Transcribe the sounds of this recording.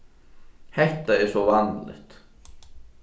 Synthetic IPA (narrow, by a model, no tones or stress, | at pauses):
hɛht̪aɛɾ̥sɔvanlɛ̰ht̪